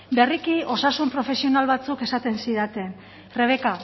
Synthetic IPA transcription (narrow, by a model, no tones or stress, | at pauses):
be̞rikio̞sasumpɾo̞fe̞sio̞nalβat͡suke̞sat̪e̞nsiðat̪e̞n | re̞β̞e̞ka